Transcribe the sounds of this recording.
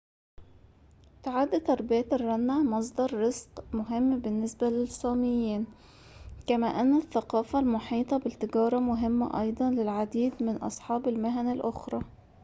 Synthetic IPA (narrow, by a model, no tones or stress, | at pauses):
t̪aʕaːd̪æt̪ːɑɾˤbæːt̪ɑrˤːɑnːaʕmɑs̬ˤd̪ɑɾˤːezqmʊɦɪmːbɪnːɪsbælɪsˤɑːmɪjːiːn | kæmæːʔænːæθːæqɑːfælmʊħiːt̪ˤɑbɪt̪ːɪɡɑːɾˤɑmʊɦɪmːæ̰ʔɑjd̪ˤɑnlɪlʕad̪iːd̪mɪnʔɑ̰sˤħɑːbɪlmaɦænalʔʊxɾˤɑː